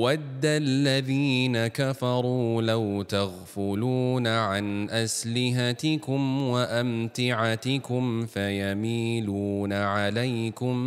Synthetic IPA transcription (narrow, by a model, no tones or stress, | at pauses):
wad̪ːalːaðiːnakafɑɾˤuːlawt̪aɣfʊluːnaʕanʔaslɪɦat̪ɪkʊmwaʔamt̪ɪʕat̪ɪkʊmfajamiːluːnaʕalajkʊm